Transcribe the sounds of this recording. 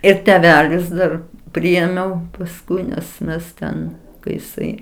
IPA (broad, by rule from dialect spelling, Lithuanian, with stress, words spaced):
ɪr tʲɛˈʋʲæːlʲɪs ˈdɐr ˈpʲrʲɪeːmʲɛʊ pɐsˈkʊɪ nʲɛs ˈmʲɛs tʲɛn kɐɪ jɪˈsɐɪ